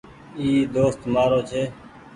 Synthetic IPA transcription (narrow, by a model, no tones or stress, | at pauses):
iːd̪oːst̪maːɾoːt͡ʃʰeː